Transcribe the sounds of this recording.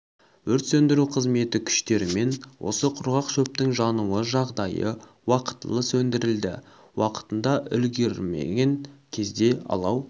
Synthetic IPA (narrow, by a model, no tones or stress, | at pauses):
wɵɾt̪sɵnd̪ɪɾuqʰəzme̞t̪ɪkʲʰʏ̥ʃt̪e̞ɾɪme̞nwʔo̞̰səqʰʊɾʁɑqʃɵp̚t̪ɪŋʒɑnuəʒɑʁd̪ɑjə̰ | wɑqə̥t̪ːəlˠəsɵnd̪ɪɾɪld̪ɪ̰ | wɑqə̥t̪ənd̪ɑʔʏlɡʲe̞ɾɪmḛɡʲe̞ŋkʲʰe̞zd̪e̞ɑ̰lˠɑw